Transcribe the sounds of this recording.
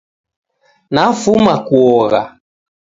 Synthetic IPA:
nafumakuɔɣa̰

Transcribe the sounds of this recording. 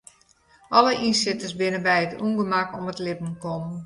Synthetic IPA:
ʔɔləʔinsɪtəsbɪnəbɛjətʰṵːŋɡəmakɔmətlɪbn̩kɔm

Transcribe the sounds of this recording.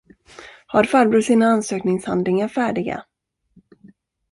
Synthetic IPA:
haɾfaɾbɾɵːsiːnaansøːknɪŋsha̰nd̪lɪŋaɾfæːɖɪɡa̰

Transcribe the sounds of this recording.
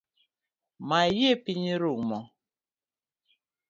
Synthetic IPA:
majepiɲiɾumɔ

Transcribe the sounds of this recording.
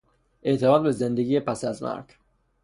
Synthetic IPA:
ʔeʔt̪ʰemɑːd̪̚bezend̪eɡijepʰæsæzmæ̰ɾɡ

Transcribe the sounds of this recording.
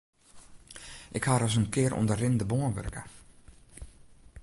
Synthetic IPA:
ʔɪkhaːɾɔs̬ənkɪəɾʔɔ̰ndərɪndəboənʋø̰rkə̰

